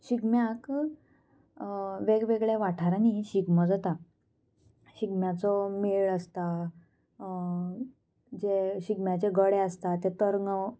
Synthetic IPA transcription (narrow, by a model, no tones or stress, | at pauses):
ɕiɡmjak | ʋeɡʋeɡɭeʋaʈʰaɾaniɕiɡməd͡zat̪a | ɕiɡmjat͡sɔmeɭəst̪a | d͡ʑeɕiɡmjat͡ɕeɡəɽeəst̪at̪ːet̪əɾŋə